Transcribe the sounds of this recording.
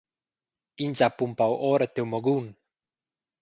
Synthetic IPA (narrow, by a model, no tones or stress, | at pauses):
inzapumpawɔɾət̪ewmɔɡun